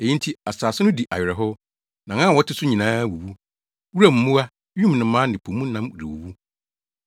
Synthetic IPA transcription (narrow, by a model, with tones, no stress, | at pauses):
e˨ji˦n˦tʰi˦a˨saː˨sɪ˦nʊ̃˦di˨ʔa̰˨ɥᶣɪ˨ɾɛ˨ɦʊ˦ | nã˨ã˦˨wɔ˦tʰɪ˦sʊ˦ɲĩ˨nãː˦wu˨wu˦ | wu˦ɾa˦m̩˨mũ˦a˦ | ũ˦m˨nɪ̃˨˦mãː˦nɪ̃˨pʰo˨mũ˦n˦nã˦m˨ɾḭ˨wṵ˨wu˦